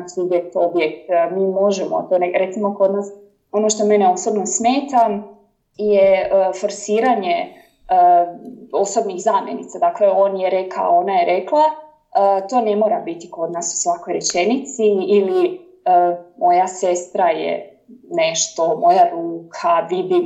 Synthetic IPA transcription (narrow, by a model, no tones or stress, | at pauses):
sʋid̪jet̪o̞bjek̚t̪miːmo̞ʒemo̰t̪oːneɾet̪simoko̞d̪naːs | o̞no̞ʃt̪o̞meneo̞so̞bno̞smeːt̪am | jeəfo̞ɾsiːɾaɲe | ə | o̞so̞bnixzaːmjenḭt̪sad̪akleo̞ːnjeɾeka̰o̞najeɾe̞klˠa | ət̪o̞ːne̞moɾabit̪i̥ko̞d̪naːsu̥sʋako̞jɾet͡ʃe̞nit̪siːli | əmo̞jase̞st̪ɾajḛ | neʃt̪o̞mo̞jaɾuːkʰaʋibi